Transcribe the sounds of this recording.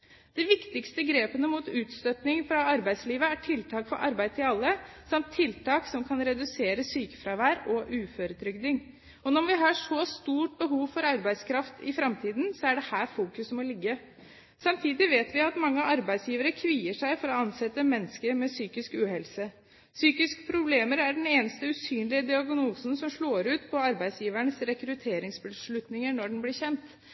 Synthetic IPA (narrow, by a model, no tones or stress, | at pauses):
d̪̥ɛʋɪkt̪ɪkst̪əɡɾeːpənəmuːt̪ʉːt̪st̪œt̪nɪŋfɾɑɑɾbæɪd̪sliːʋəæʈʰɪlt̪ʰɑːkfɔɾʔɑ̰ɾbæɪt̪ʰɪlɑlːəsɑmt̪ʰːɪlt̪ʰɑːksɔmkʰɑnɾɛd̪ʉseːɾəsyːkə̥fɾɑːʋæːɾɔʔʉːføɾət̪ʰɾʏɡd̪ɪŋ | ɔnɔmʋɪɦɑʂɔst̪uːʈ̚bəɦuːʋfɔɾɑɾbæɪd̪skʰɾɑft̪ɪ̰fɾɑmt̪ʰiːd̪n̩sɔæɖɛhæːɾfuːkʉsmɔlɪɡːə | sɑmt̪ʰiːd̪ɪʋeːt̪ʋɪɑt̪mɑŋːəʔɑɾbæɪd̪sjiːʋəɾəkʰʋiːəʂæɪfɔɾɔɑnsɛt̪ːəmɛnːəskəɾmɛsyːkɪskʉːɦɛlsə | syːkɪskə̥pʰɾʊbleːməɾæɖɛneːnəst̪əʉsyːnlɪəd̪ɪɑɡnuːsnsɔmʂɭoːɾʉːt̪pʰɔɑɾbæɪsjiːʋæɳəsɾɛkɾʉt̪ʰeːɾɪŋsbəʂɭʉt̪nɪŋənɔɖɛnblɪɾçɛnt̪